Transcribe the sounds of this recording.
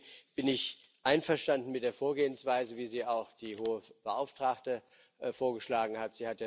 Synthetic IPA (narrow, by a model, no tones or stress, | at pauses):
b̥ɪnɪç | ʔaɪnfɛɐʃtandn̩mɪtd̥eːɐfoːɐɡeːənsv̥aɪzəviːziːaʊxd̥iːɦoːəb̥əʔaʊftʁ̥aktə | foːɐɡəʃlaːɡŋ̩hatz̥iːhatja